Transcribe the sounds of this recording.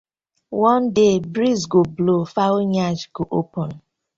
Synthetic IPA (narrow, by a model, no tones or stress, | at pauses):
wɔ̃ndebɾizɡoblofaoɲad͡ʒɡoʔopɔn